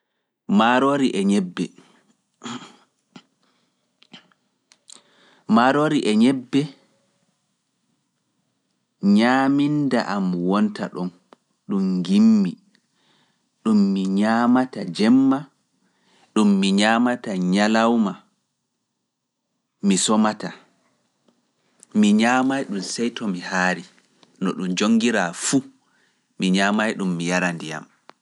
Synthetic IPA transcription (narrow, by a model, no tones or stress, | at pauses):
maɾoɾiʔɛɲɛbːɛ | maɾoɾiʔɛɲɛbːɛ | ɲaːminda̰ʔamwɔnta̰ɗɔm | ɗumɡimːi | ɗumːiɲaːmatad͡ʒɛmːa | ɗumːiɲaːmataɲalawma | misɔmata | miɲaːmajɗumsɛjtɔmihaːɾi | nɔɗumd͡ʒoŋɡiɾafu | miɲaːmajɗumːijaɾandija̰m